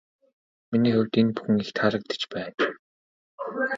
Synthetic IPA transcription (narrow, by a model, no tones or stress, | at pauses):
miniːxʊwʲt̪enpu̥xɘ̆ŋixt̪χaɾə̆k̚t̪ə̥t͡ɕpæːn